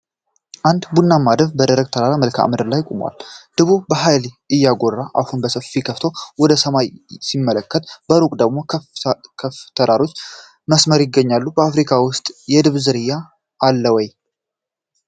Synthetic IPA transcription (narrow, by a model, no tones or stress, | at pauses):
ʔand̪bunːamːad̪əβbəd̪əɾəɡ̚t̪ʰəɾaɾaməlkʰa̰ʔa̰md̪ɨɾlajkʼomwa̰ld̪̥ɨβubəɦajl | ɨjːaɡo̞rːaʔa̰hunbəsəfikʰəft̪ʰo̞wɔd̪əsəmajsimːələkːət̪bəɾukʼd̪əɡmo̞kʰəft̪ʰəɾaɾo̞t͡ʃː | məsməɾjɪɡːəɲːalːubəafɾikʰawʊst̪ʼjɛd̪ɨβzɨɾɨjːaː | lːəwɔj